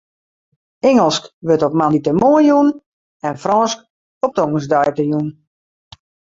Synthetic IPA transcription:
ɛŋəlˠskʋøtopmanditəmoəjun | ɛnfrɔnsk | op̚tɔŋəs̬dajkəjun

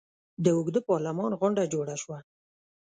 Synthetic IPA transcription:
d̪əʊɡd̪əpɑɾlamɑnɣʊɳɖad͡ʒoɽaʃwa

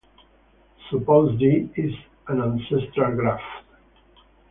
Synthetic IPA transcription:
supozdiɪz | ə̃nãnsɛstɹalɡɾaft

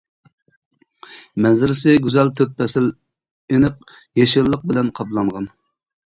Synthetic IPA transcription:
mɛzɪɾɪsɪɡʲyzɛlt̪ʰøpːɛsɪl | enɨq̚ | jeʃɪɾlˠəq̚bɪlɛnqʰɑplˠɑɴʁɑn

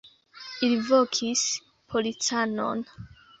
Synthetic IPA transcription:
ilivokʰis | pʰolit͡sano̰n

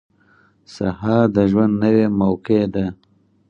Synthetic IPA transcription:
sahɑd̪əʒwand̪nəwemawked̪a

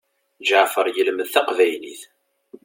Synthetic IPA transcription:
d͡ʒaʕfəɾˤjəlməðθæqvæjlḭθ

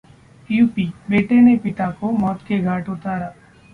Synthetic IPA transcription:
juːpiːbeːʈenepɪt̪akomɔːt̪keɡʱaːʈʊt̪aːɾaː

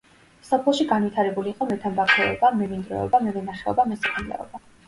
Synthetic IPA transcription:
sapʰlˠɔʃiɡanvwit̪ʰaɾɛbuliːqʼɔmɛt̪ʰambakʰɛɔbamɛvind̪ɾɛ̰ɔ̰bamɛvɛnaχɛɔ̰bamɛsakʰunlɛ̰ɔ̰ba

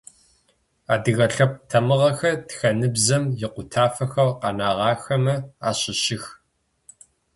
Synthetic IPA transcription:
aːdɨɣɐɬɐp̚tʰɐmɨʁɐxɐtxɐnɨbzɐmjɪqʷʊtʰaːfɐxɐrqɑnaːʁɑːxɐmɐaːɕɪɕɪx

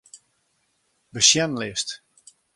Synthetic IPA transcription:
bəʃjɛnlɪst

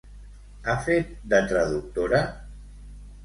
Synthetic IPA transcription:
afet̪̚d̪ət̪ɾəðuk̚t̪oɾa

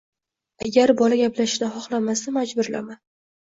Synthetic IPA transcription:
aɡʲaɾbɒlaɡʲaplaʃɪd̪aχɒχlˠamasamad͡ʒbʊɾla̰man

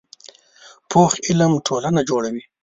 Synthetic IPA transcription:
pʰoxɪləmʈʰoːlanad͡ʒoɽawi

